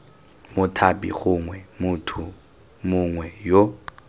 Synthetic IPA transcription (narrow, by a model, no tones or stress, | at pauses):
mʊtʰapʼḭɣʊŋwɛmʊtʰʊ | mʊŋwɛjo